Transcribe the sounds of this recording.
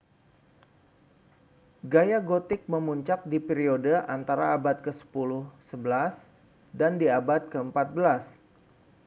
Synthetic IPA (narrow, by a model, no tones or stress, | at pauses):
ɡajaɡot̪ɪk̚məmuɲt͡ʃak̚dipeɾiodəʔant̪aɾaːbat̪̚kəsə̥pulʊhsəbəlas | dandiabat̪̚kəəmpat̪̚bəlas